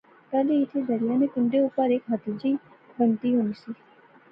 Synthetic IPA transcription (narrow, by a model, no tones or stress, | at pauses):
t̪aliɪt̪ʰed̪əɾijanekʊɳɖeupəɾeːkɦɐt̪id͡ʒi | bənt̪iɦonisi